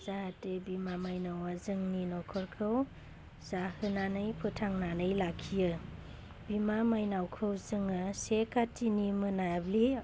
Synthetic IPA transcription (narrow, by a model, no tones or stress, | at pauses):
zahatebimamajnawazɯŋninɔkʰɔɾkʰɯw | zahɯnanɯjpʰɯtʰaŋnanɯjlakʰijɯ | bimamajnawkʰɯwzɯŋasekatʰinimɯnabli